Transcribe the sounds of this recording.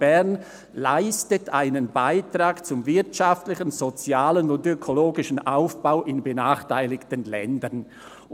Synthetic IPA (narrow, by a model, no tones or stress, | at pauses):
b̥ɛɐn | la̰ɪstətʰa̰ɪnənbaɪtraːkt͡sʊmvɪɐtʃaftlɪçən̩zot͡sjaːlənʊndøkʰoloːɡɪʃn̩ʔaʊfb̥aʊʔɪnbənaːχtʰaɪlɪktənlɛ̰ndən